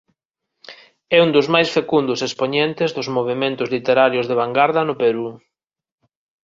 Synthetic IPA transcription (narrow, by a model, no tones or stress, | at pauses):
ɛund̪ʊzmajsfekund̪ʊsespoɲent̪ɪzðʊzmoβ̞emẽnt̪ʊzlit̪eɾaɾjʊzðeβ̞aŋɡaɾðɐnʊpeɾu